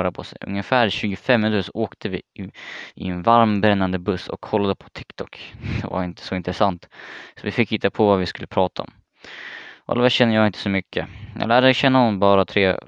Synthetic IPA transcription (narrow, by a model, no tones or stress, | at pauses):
ɾapʰɔsɛ̰jʔɵ̰ŋːəfæːɾɕʉ̟ːɡʊfɛmːnt̪ːsɔʔoːkt̪ʰəvɪ | ɪɛnvaɾmbɾɛnːand̪əbɵsɔ̰kʰːɔlːad̪əpʰɔ̥t̪ʰɪkt̪ʰɔkd̪̥ɛ̰va̰ɾɪnt̪ə̥sɔɪnt̪ɾɛsant̪sɔvɪfɪkːiːt̪apʰɔvavɪskɵlːəpʰɾɑːt̪aɔ̰m | ʔa̰lvɛɕɛnːəjɑːɡɪnt̪ə̥sɔmʏkʰːə̰jɑ̰ːlæːɖəɛɕɛnːaɔnbɑːɾat̪ʰɾeː